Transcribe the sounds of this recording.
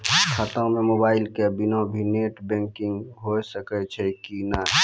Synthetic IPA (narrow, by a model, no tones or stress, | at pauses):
kʰət̪əŋmemobaːɪlkebinõbʱineʈbɛ̃ŋkɪ̃ŋɡɦosəkɛt͡ʃʰɛkina